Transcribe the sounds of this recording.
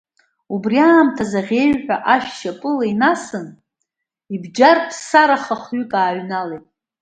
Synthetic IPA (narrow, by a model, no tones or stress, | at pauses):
ubriaːmtʰazaʁʲe̞ɥħʷᶣaʔaʃᶣʃapʼɨlainasɨn | ibd͡ʒarpʰsaɾaχaχɥykʼaːɥnalejtʼ